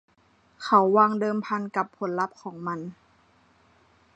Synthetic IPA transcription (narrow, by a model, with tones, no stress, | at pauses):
kʰa˨˦wːaː˧ŋdɤː˧mpʰa˧nka˨˩pʰːo˩˦nla˦˥p̚kʰɔː˩˦ŋma˧n